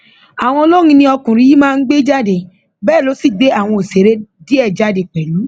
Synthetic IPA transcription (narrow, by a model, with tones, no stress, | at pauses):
a˨w̃ɔ̃˧lo˦ŋĩ˧nĩ˧ɔ˧kũ˨ɾĩ˧ji˦mãː˦˧n̩˦ɡ͡be˦d͡ʒa˦de˨ | bɛː˦˨lo˨˦si˦˨ɡ͡be˨˦a˦˨w̃ɔ̃˧o˨se˨ɾe˦di˦ɛ˦˨d͡ʒa˨˦de˨k͡pɛ˨lu˨˦